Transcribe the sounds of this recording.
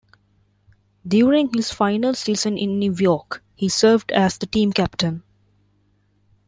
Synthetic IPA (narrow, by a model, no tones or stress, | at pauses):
ɖjuːɾɪ̃ŋhɪz̥fãɪnəlsiːzə̃nʔɪ̃nːjuːjɔːkhiːsəːɾʋɖæzd̪əʈĩːmkæpʈə̃n